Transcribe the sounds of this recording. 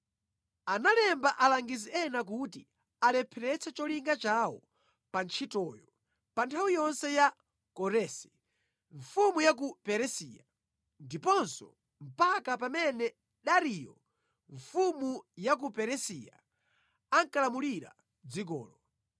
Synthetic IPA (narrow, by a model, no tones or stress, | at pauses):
analɛmbaʔalaŋɡiziɛnak̬uti | alɛpʰɛɾɛt͡sʰɛt͡ʃɔliŋɡat͡ʃawɔ | pant͡ʃʰitɔjɔ | pantʰawijɔnsɛja | kɔɾɛsɛ̥ | ɱfumujak̬upɛɾɛsiːja | ndipɔnsɔ | m̩pakapamɛnɛ | ɗaɾijɔ̰ | ɱfumujak̬upɛɾɛsija̰ | aŋkalamuliɾa̰ | d͡zik̬ɔ̰ːlɔ